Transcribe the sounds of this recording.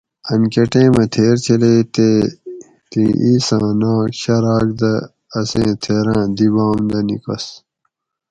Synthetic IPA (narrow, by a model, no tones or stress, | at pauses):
ɐnkeʈẽːmɐt̪ʰeːɾt͡ɕʰeleːt̪e | t̪ĩʔiːsãːnãːɕɐɾaːk̚d̪ɐː | sẽːt̪ʰeːɾãːd̪ibãːmd̪ɐnḭkɐ̰s